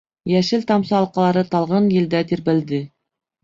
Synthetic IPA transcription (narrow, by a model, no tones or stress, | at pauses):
jæʃɘlt̪ɑmsɑːlˠqɑlˠɑɾɤt̪ɑlˠʁɑnjɘ̆ld̪æt̪iɾbɘ̆ld̪ɘ